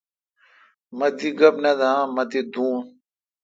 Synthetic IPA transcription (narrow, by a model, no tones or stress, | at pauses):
mɐd̪iɡɐbnɐd̪amɐd̪id̪uːn